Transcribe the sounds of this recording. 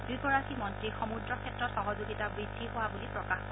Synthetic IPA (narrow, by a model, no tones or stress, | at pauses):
dukɔɹasimɔntɹixɔmudɹɔkʰɛtɹɔtxɔɦɔzuɡitabɹidʱːiɦowabulipɹɔkax